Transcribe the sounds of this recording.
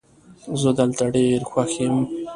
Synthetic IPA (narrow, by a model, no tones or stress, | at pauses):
zəd̪əlt̪aɖeɾxwaxem